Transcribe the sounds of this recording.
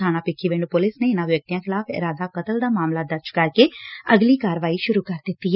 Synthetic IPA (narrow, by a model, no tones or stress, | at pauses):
aːnãːpɪkʰːiːʋɪɳɖpʊlɪsneːɪnãːʋjək̚t̪ijãːkʰɪlaːfʰɪ̰ɾaːd̪aːkət̪əld̪aːmaːmlaːd̪əɾd͡ʒkəɾkeːəɡliːkaːɾʋaːiːʃʊɾuːkəɾd̪ɪt̪ːiː